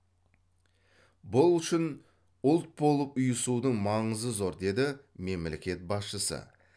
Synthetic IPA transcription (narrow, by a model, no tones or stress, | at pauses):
bʊlˠʏʃɪn | ʊlˠt̪̚bo̞lˠəpʊjəsud̪əɴmɑɴəzəzo̞ɾd̪e̞d̪ɪ | me̞mlḛkʲe̞t̪̚bɑsʃəsə̰